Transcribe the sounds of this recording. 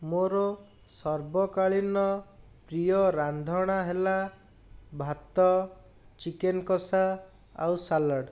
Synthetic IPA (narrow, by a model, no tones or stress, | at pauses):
moɾɔ | sɔɾbɔkaɭinɔ | pɾijɔɾand̪ʱɔɽ̃aɦela | bʱat̪ɔ | t͡ʃikenkɔsa | a̰wsalɔɽ